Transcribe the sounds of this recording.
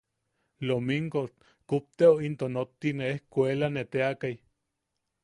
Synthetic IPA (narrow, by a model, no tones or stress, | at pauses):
lomiŋɡo | kup̚t̪eoint̪onot̪ːineehkʷelanet̪eakaj